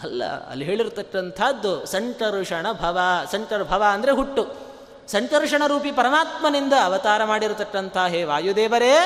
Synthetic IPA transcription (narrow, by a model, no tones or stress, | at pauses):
ɐlːɐ̰ɐ̰lːiɦeːɭiɾt̪ɐkːɐnt̪ʰaːd̪ːusɐɳʈɐɾuʂɐɳɐbʱɐʋɐsɐɳʈɐɾbʱɐʋɐɐnd̪ɐɾeɦuʈːu | sɐɳʈɐɾuʂɐɳɐɾuːpipɐɾɐmaːt̪mɐnind̪ɐːʋɐt̪aːɾɐmaːɽiɾt̪ɐkːɐnt̪ʰaːɦeːʋaːjud̪eːʋɐɾeː